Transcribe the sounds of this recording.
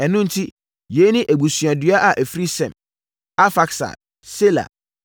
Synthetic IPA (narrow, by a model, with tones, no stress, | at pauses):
ɛ˨nʊ̃˦n̩˨tʰi˦ | je˨˦nɪ̃˦ʔæ˨bu˨sɥa˨dɥa˦ʔa˨ʔæ˨fɾi˦sɛ̰̃˨m | a˦fa˦ksa̰˨ | se˦la̰˨